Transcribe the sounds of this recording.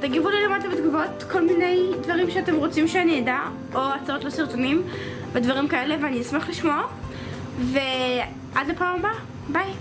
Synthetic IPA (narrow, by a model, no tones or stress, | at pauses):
t̪aɡivulilomadlibet̪ɡuvo̞tko̞lmine̞jdvaʁimʃeate̞mʁo̞t͡simʃeanijeda | oat͡saotlosiʁtonim | vedvaʁimkae̞leveaniasmaχliʃmoa | ve | ʔadlepaːmba | baj